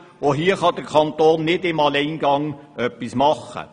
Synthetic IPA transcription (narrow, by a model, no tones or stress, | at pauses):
oɦiːəχɑd̥əʁkʰɑnt̪oːnːɪdɪmɑleɪnɡɑŋœpːismɑχə̰